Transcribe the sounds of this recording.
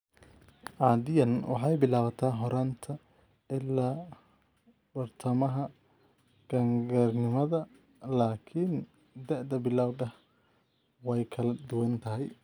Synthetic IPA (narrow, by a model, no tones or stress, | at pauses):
ʔɑːd̪ɪjɐnwɑ̰ħɑjbɪlaːwɐt̪ʰaːɦɔɾant̪ʰɐ | ɪlːaː | b̥ɐrt̪ʰɐmɐɦɐ | ɡ̥ɐŋɡɐrnɪmɐðɐ | laːkʰɪn | d̪ɛʕd̪ɐbɪlaːwd̪ɐh | wɛjkʰɐlɐd̪ʊwɐnt̪ʰɐɦɛj